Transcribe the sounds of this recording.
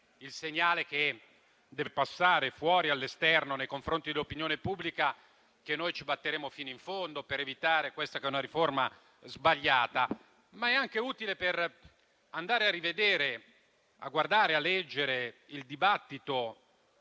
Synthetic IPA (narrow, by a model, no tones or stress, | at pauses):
ilseɲːaːlek̟e | d̪ɛːvepasːaːɾefwɔːɾialːest̪ɛrnonejkoɱfɾont̪id̪elopinjoːnepubːlika | kenːojt͡ʃibat̪ːeɾeːmofiːnoiɱfond̪opeɾevit̪aːɾekwest̪akɛunaɾiforma | zbaʎːaːt̪a | maɛaŋk̟euːt̪ileper | and̪aːɾearːived̪eːɾe | a̰ɡward̪aːɾealːɛd͡ʒːeɾeild̪ibat̪ːit̪o